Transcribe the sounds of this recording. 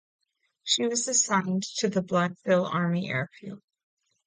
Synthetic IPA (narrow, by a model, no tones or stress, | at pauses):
ʃiwʌzɨsãɪ̃ntʰɨðəblʌd̥fɪlˠɑɹmiʔɛ̰ɹɨpʰʉ̰lˠ